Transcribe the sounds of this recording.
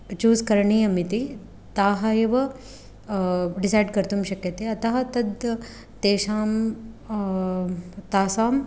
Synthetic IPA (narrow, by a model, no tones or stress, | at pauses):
t͡ʃuːzkɐɾɳiːɐmit̪i | t̪aːɦɐjɐʋɐ | ɖisaːjɖkɐɾt̪umʃɐkjɐt̪eɐt̪ɐɦɐt̪ɐd̪ː | eːʃaːm | t̪aːsaːm